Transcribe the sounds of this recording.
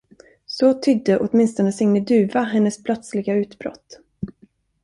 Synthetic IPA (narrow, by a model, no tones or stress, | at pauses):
sɔt̪ʰʏd̪ːəʔɔt̪mɪnst̪ɔnəsɪŋnəd̪ʉ̟ːvaɦɛnːəspʰlœt̪slɪɡaʉ̟ːt̪bɾɔ̰t̪ː